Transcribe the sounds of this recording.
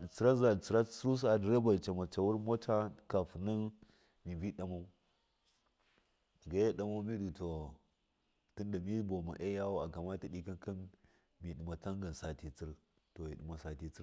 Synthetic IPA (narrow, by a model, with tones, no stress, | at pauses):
t͡sə˨ɾa˦za˨t͡si˨ɾa˦t͡sɾu˦s̬a˨dɾa˦ba˨lt͡ʃa˨ma˨t͡ʃa˨wu˦ɾmo˦t͡ʃa˦ka˨fu˨nə˦ | mi˨vi˦ɗa˨ma˦u˦˨ | ɡa˨˦ja˦ɗa˦ma˦mi˦du˨to˨ | ti˦nda˨mi˦bo˨ma̰˨ʔe˦ja˦wu˦a˨ka˨ma˦ti˦ɗi˨ka˦nka˦n | mi˨ɗi˨ma˨ta˦ŋɡa˨n˨sa˨ti˨t͡si˦ɾ | to˨ji˨ɗi˨ma˨sa˨ti˨t͡si˦